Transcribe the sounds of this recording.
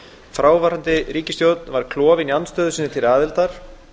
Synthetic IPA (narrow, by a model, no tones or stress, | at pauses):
fɾaːwvaɾant̪ɪɾiːcɪst̪jowt̪nvaɾ̥kʰlɔːvɪnianst̪œːðʏsɪnːɪt̪ʰɪlaːðɪlt̪aɾ̥